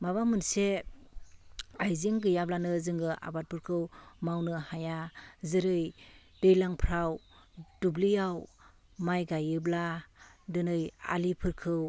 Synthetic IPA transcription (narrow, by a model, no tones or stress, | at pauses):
maβamɯnse | ajziŋɡɯjablanɯzɯŋɡɯʔa̰bat̚pʰɯɾkʰɯwmawnɯhajazɯɾɯj | dejlaŋpʰɾawdublijaw | majɡajɯbladɯnɯja̰lipʰɯɾkʰɯw